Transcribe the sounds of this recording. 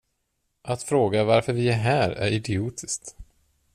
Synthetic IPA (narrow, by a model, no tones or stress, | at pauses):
ʔat̪fɾoːɡavaɾfœɾvɪæɾɦæːɾæ̰ɾɪd̪ɪuːt̪ʰɪskt̪